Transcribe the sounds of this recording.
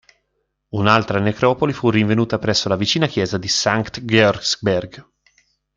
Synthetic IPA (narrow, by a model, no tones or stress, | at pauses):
unalt̪ɾanekɾɔːpolifurːiɱvenuːt̪apɾɛsːolavit͡ʃiːnakjɛːzad̪isaŋkt̪ɡɔrsbɛrɡ